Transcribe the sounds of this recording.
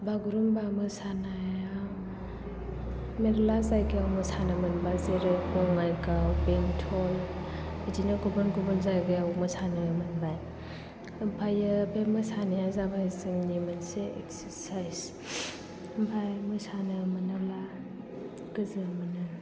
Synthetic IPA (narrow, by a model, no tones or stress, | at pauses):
baɡuɾumbamɯsanaja | meɾlazajɡijawmɯsanɯmɯnbazeɾajpɔŋajɡawpeŋtʰɔlidinɯɡubɯnɡubɯnzajɡɯjawmɯsanɯmɯnbaj | bajɯbemɯsanajazabajzɯŋnimanseḛksəɾsajs | bajmɯsanɯmɯnɯla | ɡɯzɯmɯnɯ